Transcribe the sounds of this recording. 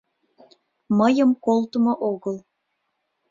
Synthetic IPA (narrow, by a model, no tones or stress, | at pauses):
məjəmkolt̪əmoʔoɣəl